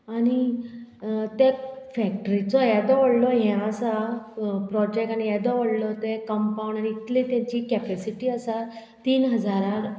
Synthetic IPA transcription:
aɽ̃i | t̪ɛfɛk̚ʈəɾit͡sɔjɛd̪ɔʋəɽlɔɦjɛ̃əsapɾɔd͡ʑek̚ʈañijɛd̪ɔʋəɽlɔt̪ɛkəmpaw̃ɳɖañiːt̪lit̪ɛ̃t͡ɕiːkɛpɛsiʈiːəsa | t̪iːnɦəd͡zaɾaɾ

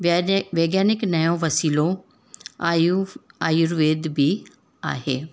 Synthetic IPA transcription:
ʋeːɡjaːnɪknɐjõʋɐsiːlõ | aːjʊɾʋeːd̪bʱi | a̰ːɦeː

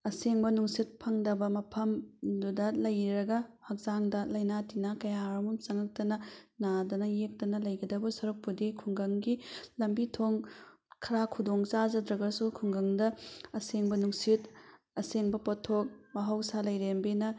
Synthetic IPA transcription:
ɐseŋbɐnuŋsit̚pʰɐŋdɐbɐmɐpʰɐmdudɐlɐjɾɐɡɐhɐk̚zaŋdɐlɐjnatinakɐjaɾɐmumt͡ʃɐŋɐk̚tɐnɐnadɐnɐjek̚tɐnɐlɐjɡɐdɐbusɐɾuk̚pudikʰuŋɡɐŋɡilɐmbitʰoŋ | kʰɐɾakʰudoŋt͡ʃazɐdɾɐɡɐsukʰuŋɡɐŋdɐɐseŋbɐnuŋsit | ɐseŋbɐpɐtʰok̚mɐɦɐwsalɐjɾembenɐ

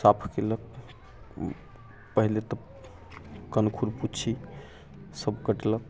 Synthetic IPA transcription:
sapʰkelək̚ | pəɦilet̪ə | kənkʰuɾput͡ʃʰi | səbkəʈlək̚

